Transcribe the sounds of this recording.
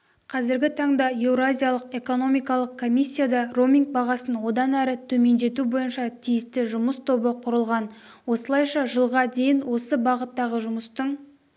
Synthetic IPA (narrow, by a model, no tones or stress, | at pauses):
qʰɑzɪɾɡʲɪt̪ʰɑɴd̪ɑje̞vɾoazʲijalˠəqe̞ko̞no̞mijkɑlˠəq̚kʰo̞mʲisʲːijad̪ɑro̞mʲiŋk̚bɑʁɑsənwo̞d̪ɑnæɾɪt̪ʰɵme̞nd̪e̞t̪ubo̞jənʃɑt̪ʰijɪst̪ɪʒʊməst̪ʰo̞bəqʰʊɾəlˠʁɑn | wo̞səlˠɑjʃɑʒəlˠʁɑd̪e̞jɪnwo̞səbɑʁət̪ːɑʁəʒʊməst̪əɴ